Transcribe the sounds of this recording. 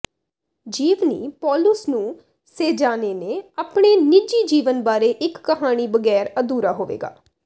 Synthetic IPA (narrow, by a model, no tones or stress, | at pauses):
d͡ʒiːʋnḭːpɔːlʊsnũː | seːd͡ʒaːneːneːaːpɳeːniːd͡ʒiːd͡ʒiːʋənbaːɾeːʔɪkːəɦaːɽ̃iːbəɡɛːɾəd̪uːɾaːɦoːʋḛːɡa̰ː